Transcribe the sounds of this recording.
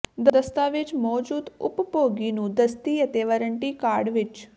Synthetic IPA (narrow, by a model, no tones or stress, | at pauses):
d̪əd̪əst̪aʋet͡ʃmɔːd͡ʒuːd̪ʊ̰ppoɡinũd̪əst̪ijət̪eʋəɾəɳʈikaːɾɖʋɪt͡ʃ